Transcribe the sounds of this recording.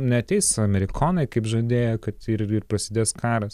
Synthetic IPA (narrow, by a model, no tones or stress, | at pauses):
nʲɛɐt̪ʲɛɪsɐmʲɛɾʲɪkʰoːnɐɪkɐɪpʒoːd̪ʲeːjoːkɐt̪ɪɾɪrpɾɐsʲɪd̪ʲeːskʰɑːɾɐs